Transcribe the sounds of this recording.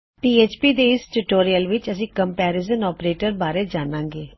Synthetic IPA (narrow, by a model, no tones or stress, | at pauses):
piːeːt͡ʃpiːd̪eːɪsʈʊʈoːɾijəlʋɪt͡ʃəsĩːkəmpɛːɾɪzənɔːpɾeːʈəɾbaːɾeːd͡ʒaːnãːŋɡeː